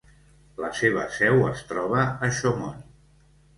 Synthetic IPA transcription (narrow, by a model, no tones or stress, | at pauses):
ləseβ̞əsɛwəst̪ɾɔβ̞əəʃomɔn